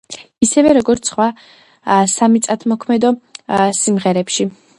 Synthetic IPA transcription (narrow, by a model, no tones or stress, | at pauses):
isɛvɛɾɔɡɔɾt̪sʰχwa | samit̪sʼat̪ʰmɔkʰmɛd̪ɔsimʁɛɾɛpʃi